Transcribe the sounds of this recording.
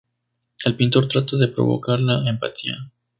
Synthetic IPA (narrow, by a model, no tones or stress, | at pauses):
elpint̪o̞ɾt̪ɾat̪aðe̞pɾo̞̰βo̞̰kaɾlaempa̰t̪ia̰